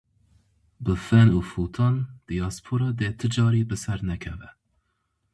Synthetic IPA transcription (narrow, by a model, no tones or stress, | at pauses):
bɨfɛnuːfut̪ʰɑːnd̪̥ijɑːspʰoɾɑd̪eːt̪ʰɨd͡ʒɑːɾiːbɨsɛɾnɛkʰɛvɛ